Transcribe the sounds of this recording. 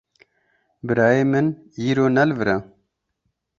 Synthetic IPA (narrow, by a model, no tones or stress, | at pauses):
bɨɾɑːeːmɨn | iːɾoːnɛlvɨɾa